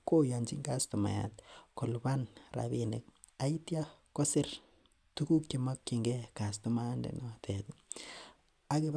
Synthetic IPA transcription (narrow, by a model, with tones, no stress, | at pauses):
ko˦ja˨nd͡ʒi˦ŋɡa˦stu˨ma̰˨ja̰˨t̚kɔ˨lba˦nra̰˨bi˦ne˨k̚ | a˨i˦tja˦ko˦sɪ˦r | tu˦ku˦kje˨ma˦kːi˨ŋɡɛ˦ka˨stu˨ma˦ndɛ̰˨nɔ˦˨tʰɛ˨t | a˨ke˦